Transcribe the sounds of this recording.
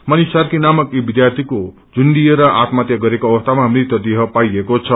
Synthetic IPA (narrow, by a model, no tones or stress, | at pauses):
mʌnisarkinamʌkibid̪jart̪ʰiko | d͡zund̪ijeɾʌʔat̪mat̪jʌɡʌɾekoʌbʌst̪ʰamaɦʌmɾit̪ʌd̪iɦʌpajekot͡sʰʌ